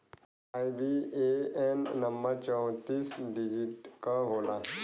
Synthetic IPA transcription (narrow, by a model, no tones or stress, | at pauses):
aːibieenːəmbəɾt͡ʃɔ̃ʊt̪iːsɖɪd͡ʒɪʈkaɦoːlaː